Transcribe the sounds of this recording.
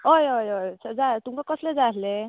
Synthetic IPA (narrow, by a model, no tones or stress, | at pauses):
ɦojojojt͡sʰad͡zat̪umkakɔsled͡zasle